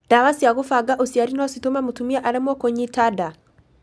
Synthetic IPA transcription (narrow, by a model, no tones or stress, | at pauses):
d̥aβasiaɣofaɡaʔosiaɾinasitomamutumiaʔaɾemɔkoɲitada